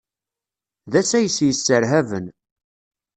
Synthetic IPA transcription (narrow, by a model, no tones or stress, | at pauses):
ðæsæjəsjəsːəɾɦævən